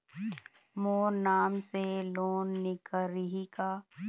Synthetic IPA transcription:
moːɾnaːmseloːnːɪkəɾiɦikaː

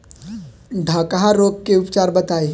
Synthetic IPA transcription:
d̪ʱakəɦaɾoːɡkeʊpt͡ʃaːɾbɐt̪aːe

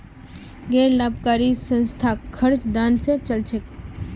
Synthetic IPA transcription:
ɡɛːɾlaːbkaːɾisə̃nst̪ʰakʰəɾt͡ʃd̪aːnset͡ʃəlt͡ʃʰək

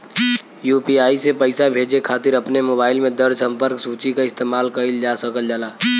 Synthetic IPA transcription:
juːpiaːisepəɪsabʱeːd͡ʒekʰaːt̪ɪɾəpnemoːbaːɪlmẽd̪əɾsə̃mpəɾksuːt͡ʃikaɪst̪eːmaːlkəɪld͡ʒaːsəkəld͡ʒalaː

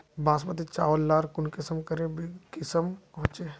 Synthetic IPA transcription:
bãːsmət̪et͡ʃaːʋllaːɾkʊnkɪsəmkəɾẽbikɪsəmpɔɦʊ̃t͡ʃe

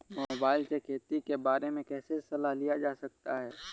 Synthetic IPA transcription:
moːbaːɪlsekʰeːt̪ikebaːɾemẽkɛːsesɐlaɦlijad͡ʒaːsɐk̚t̪aɦɛː

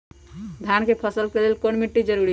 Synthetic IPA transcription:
d̪ʱjankepʰəsəlkelelkonmiʈːid͡ʒəɾuɾi

